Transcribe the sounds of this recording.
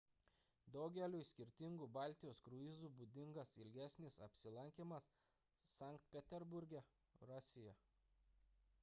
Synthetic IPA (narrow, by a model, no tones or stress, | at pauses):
d̪ɔʊɡʲɛlʲuːsʲkʲɪɾʲt̪ʲɪŋɡuːbɑˑlʲt̪ʲɪjoːskɾʊɪzuːbud̪ʲɪŋɡɐsɪlʲɡʲæsʲnʲɪsɐpʲsʲɪlˠɐŋʲkʲemɐsː | ɑˑŋkt̪̚pʲɛt̪ʲɛɾbʊɾʲɡʲɛ | ɾɑːsʲɪjɛ